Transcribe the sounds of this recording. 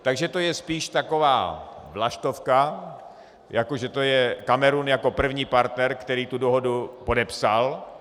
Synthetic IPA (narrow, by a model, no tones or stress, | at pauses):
t̪aɡʒɛt̪o̞jɛspiːʃt̪ako̞va̰ːvlaʃt̪o̞fka | jakoʒɛt̪o̞jɛkamɛɾuːnjako̞pr̩vɲiːpaɾt̪nɛɾkt̪ɛɾiːt̪udoɦo̞dupo̞dɛpsal